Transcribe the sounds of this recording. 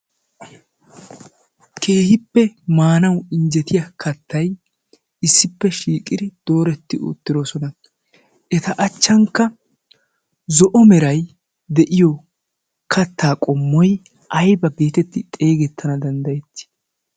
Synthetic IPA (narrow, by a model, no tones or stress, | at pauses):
kʰe̞ːhɪpːɛmaːnɐwɪɲd͡ʒɛt̪ʰɪjɐkʰɐt̪ʰːɐj | ɪsːɪpːɛʃiːkʼɪd̪ɪd̪̥o̞ːɾɛt̪ːɪʔʊ̰t̪ːɪɾosɔnɐ | ʔɛt̪ɐʔɐt͡ʃːɐŋkːɐ | zɔʔɔmɛɾɐj | d̪ɛʔɪjɔ | kʰɐt̪ːaːkʼɔmːɔj | ɐjbɐbe̞ːt̪ɛt̪ːɪt̪ʼe̞ːɡɛt̪ʰːɐnɐd̪ɐnd̪ɐjɛt̪ːɪ̥